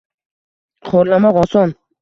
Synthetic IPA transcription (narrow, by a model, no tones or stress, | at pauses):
qʰoɾlamɒqɒsɒn